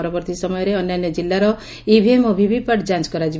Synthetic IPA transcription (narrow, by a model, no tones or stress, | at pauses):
ɾɔbɔɾt̪isɔmɔjɔɾeɔnːanjɔd͡ʒilːaɾɔ | ibʱiemobʱibʱipaʈd͡ʒant͡ʃkɔɾad͡ʒi